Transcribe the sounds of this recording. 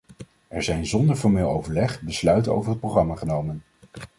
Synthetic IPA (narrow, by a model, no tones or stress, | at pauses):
ʔɛɹzɛjnzɔndəɹfɔɹmɪːlˠowvəɹlɛχbəslœɥtəno̰wvəɹɦət̚prowχrɑmaχənowmən